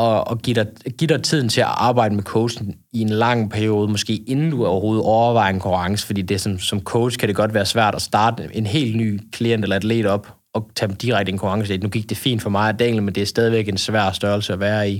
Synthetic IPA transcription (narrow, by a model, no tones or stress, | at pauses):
ɒ̽ɒɡ̥id̥ɑɡ̥iɾ̥ɑt͡sʰið̞̰ˠn̩t͡sʰe̝æʔɑ̈ːb̥ɑ̈ɪdəmekʰoʊ̥sn̩ | ie̝nlɑ̈ŋ̰pʰæɐijo̝ːð̞ˠmɒ̽sɡ̥e̝̰ːe̝nn̩d̥uɒʊɐɦho̝ːð̞̩ˠɒʊɐʋɑ̈ɪ̰enkʰuɑ̈ŋsə̥fɒ̽d̥ḭːd̥e̝æsɒ̽nsɒ̽mkʰoʊ̥skʰæɾ̥eɡ̥ɒ̽d̥ʋæːɐsʋæɐ̰d̥ɒsd̥ɑ̈ːd̥əe̝nɦe̝̰ːld̥ny̰ːkʰlien̰d̥elɐæd̥ʰlḛːd̥ɒ̽b̥ | ɒ̽t͡sʰæmd̥iʁɑɪɡ̥d̥əenkʰuʁɑ̈ŋsəinuɡ̥iɡ̥̚d̥e̝fḭːnd̥fɒ̽mɑ̈ɪæd̥eŋ̰l̩mend̥e̝æɐsd̥ɛːð̞ˠiʋeɡ̥ensʋæɐ̰sd̥ɶɐl̩səæʋæːɐi